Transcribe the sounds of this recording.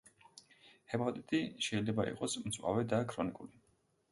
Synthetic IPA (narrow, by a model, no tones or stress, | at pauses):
hɛpʰʼɔt̪ʼit̪ʼiʃɛilɛbaḭqʼɔsmt̪sʼwa̰vɛd̪akʰɾɔnikʼuli